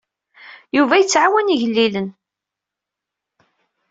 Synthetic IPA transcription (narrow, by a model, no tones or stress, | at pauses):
juvæjət͡sːʕawæniʝəlːilən